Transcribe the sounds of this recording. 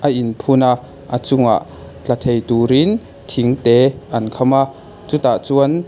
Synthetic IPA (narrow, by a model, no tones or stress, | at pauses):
ʔəʔinpʰunaʔ | ʔət͡sʊŋa̰ʔ | t͡ɬɐt̪ʰejt̪uːɾin | t̪ʰiŋt̪ɛʔɐnkʰɔmaʔ | t͡sut̪aʔt͡suən